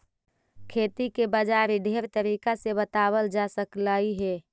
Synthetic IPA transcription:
kʰeːt̪ikebəd͡ʒaːɾiɖʱeːɾt̪əɾiːkasebət̪aːwəld͡ʒasəklaːiɦɛː

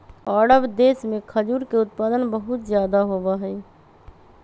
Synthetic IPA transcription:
ɔːɽəbd̪eːsmẽkʰəd͡ʒuːɾkeʊt̪̚paːd̪ənbəɦut̪d͡ʒjaːd̪aɦobaɦɛɪ

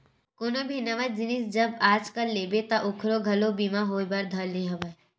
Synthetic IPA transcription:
koːnobʱinɐʋad͡ʒɪnɪsd͡ʒɐbaːd͡ʒkəlːeːbet̪aʔʊkʰɾoɡʱɐlobiːmaɦoːjbɐɾd̪ʱəlnĩɦɐbe

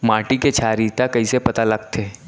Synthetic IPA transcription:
maːʈiket͡ʃʰaːɾit̪akɐisepɐt̪alɐɡ̚t̪ʰeː

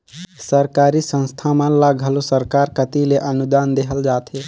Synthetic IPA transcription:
səɾkaːɾisə̃nst̪ʰamãlaɡʱəlosəɾkaːɾkət̪ileʔənud̪aːnd̪eɦəld͡ʒaːt̪ʰɦe

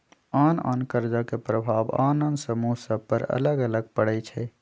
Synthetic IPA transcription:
aːna̰ːnkəɾd͡ʒakepɾəbʱaːba̰ːnənd̪səmuɦsəb̚pəɾə̰ləɡələɡ̚pəɽɛt͡ʃʰɛ

